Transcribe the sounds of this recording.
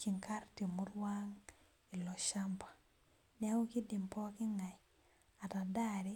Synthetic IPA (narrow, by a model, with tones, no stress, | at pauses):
ki˨ŋka˦ɾti˨mu˦ɾwa˦ŋ | i˨lɔ˨ʃa˦mpḁ˨ | nɛ˦ŋo˦ki˦dɪ˨mpɔ˦kɪ˦ŋa˨j | a˨ta˨da˦ɾi˦